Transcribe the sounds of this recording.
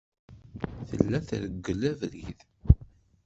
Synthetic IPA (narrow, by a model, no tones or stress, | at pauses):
θə̰lːæθɾəɡːəlævɾið